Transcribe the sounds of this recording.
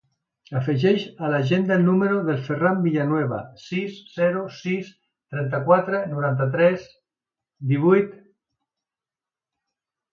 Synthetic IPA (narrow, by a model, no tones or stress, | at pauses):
afeʒɛʃalaʒend̪aelnumeɾoðelferambiʎanwɛβa̰sisːɛɾusis | t̪ɾɛnt̪̬akwat̪ɾenuɾant̪at̪̬ɾɛs | d̪iβ̞ujt̪